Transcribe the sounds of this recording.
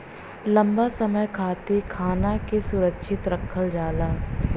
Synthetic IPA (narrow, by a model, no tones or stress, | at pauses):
lɐ̃mbasɐməjkʰaːt̪ekʰaːnakesʊɾəkʃʰɪt̪ɾɐkʰːəld͡ʒaːlaː